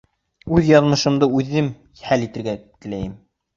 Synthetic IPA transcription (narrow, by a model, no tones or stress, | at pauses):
ʉðjɑðmɤ̆ʃɤ̆md̪ɤʉðːɘm | hælit̪ɘ̆ɾɡæt̪ɘ̆læjɘm